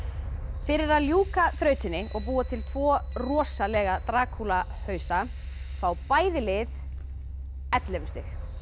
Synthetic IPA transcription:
fɪɾɪɾaðljuːkaθɾœːɥt̪ɪnːɪɔɣpuːat̪ʰɪlt̪ʰvɔːrɔːsalɛɣat̪ɾaːkʰula | hœːɥsa | fawpaːjðɪlɪð | ɛt̪lɛvɛ̥st̪ɪx

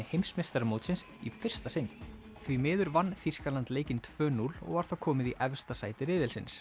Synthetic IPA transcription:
ɪhejmsmɪst̪aɾmoːwt̪sɪns | ifɪr̥st̪asɪn | θvimɪːðʏɾvanːfiskalant̪leːjcɪnt̪ʰvœːnulɔ̰ɣvaɾ̥θawkʰɔːmɪðiʔɛvst̪asaːjt̪ɪɾɪːðɪlsɪ̰ns

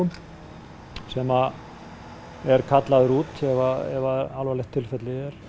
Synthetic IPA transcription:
ʏm | sɛma | ɛɾkʰat̪laðʏɾut̪ɛvaɛ̰vaðalvalɛhxt̪ʰːɪlfɛt̪lɪɛɾ̥

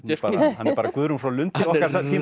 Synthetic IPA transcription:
paːhanɛaːɾkʏðɾʏmfɾawlʏnt̪ɪɔhkaɾsɛθi

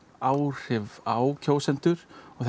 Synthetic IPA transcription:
aːwr̥ɪvawcʰoːwsɛnt̪ʏɾ̥ɔɣθ

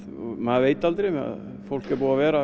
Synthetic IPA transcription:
ɔmaðveːjt̪alt̪ɾea̰ð | fowl̥kɛɾpuːavɛːɾa

